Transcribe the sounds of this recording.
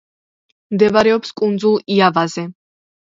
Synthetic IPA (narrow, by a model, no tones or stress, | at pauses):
md̪ɛvaɾɛɔpskʼund̪zulˠiavazɛ